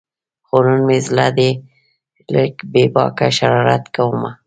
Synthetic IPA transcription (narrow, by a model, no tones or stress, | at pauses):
xoɾunmezlad̪e | ləkbebɑ̰kaʃaɾɑɾa̰t̪kawuma